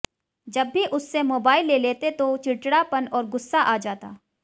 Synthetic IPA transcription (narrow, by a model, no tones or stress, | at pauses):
d͡ʒɐbːiʔʊsːemoːbaːɪlːeːleːt̪et̪ot͡ʃɪʈɽapɐnɔːɾɡʊsːaʔaːd͡ʒaːt̪a̰ː